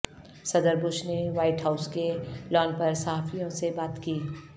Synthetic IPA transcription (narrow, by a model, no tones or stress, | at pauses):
sɐd̪əɾbʊʃneʋaːɪʈɦaːʊskelɔːnpɐɾsɐɦaːfijõsebaːt̪kiː